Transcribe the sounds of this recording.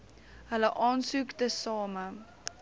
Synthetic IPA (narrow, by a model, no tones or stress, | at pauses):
ɦələʔɑːnsukdəsɑːmə